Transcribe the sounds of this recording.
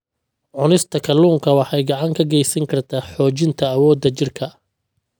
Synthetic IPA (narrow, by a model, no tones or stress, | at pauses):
ʕʊnɪst̪ʰɐkʰɐluːŋkʰɐwɑħɑjɡɑʕɑŋkʰɐɡɛjsɐŋkʰɐrt̪ʰaːħɔːt͡ʃɪnt̪ʰɐːwɔːd̪ːɐt͡ʃɪrkʰɐ